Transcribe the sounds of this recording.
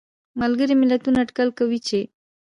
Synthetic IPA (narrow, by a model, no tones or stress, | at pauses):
malɡəɾimɪlat̪unaːʈkalkawit͡ʃe